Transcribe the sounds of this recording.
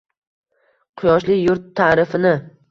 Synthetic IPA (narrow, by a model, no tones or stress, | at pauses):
qʰʊjɒʃlɪjʊɾt̪ʰːaːɾɪfɪnɪ